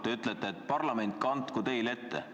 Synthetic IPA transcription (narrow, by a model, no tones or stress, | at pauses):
t̪eyt̪ːˑlet̪ˑːeːt̪ːˑpɑrlɑme̞nt̪̚ˑkɑnt̪ːˑkut̪e̞jle̞t̪ːe